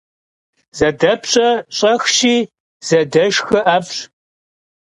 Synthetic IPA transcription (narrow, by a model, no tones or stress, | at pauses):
z̥ɐdɐpʰɕʼɐɕʼɐxʃiː | z̥ɐdɐʒxɨʔaːfɕ